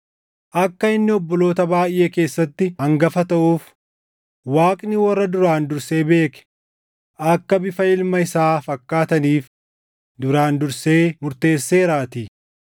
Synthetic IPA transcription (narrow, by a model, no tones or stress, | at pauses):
ʔɐkːɐɪnːɪɔbːɔlo̞ːt̪ɐbaːjʔe̞ːke̞ːsːɐt̪ːɪhɐŋɡɐfɐt̪ɐʔuːf | waːkʼnɪwɐrːɐd̪ʊɾaːnd̪ʊɾse̞ːbe̞ːkɛ̥ | ʔɐkːɐbɪfɐɪlmɐɪsaːfɐkːaːt̪ɐniːf | d̪ʊɾaːnd̪ʊɾse̞ːmʊɾt̪e̞ːsːe̞ːɾaːt̪iː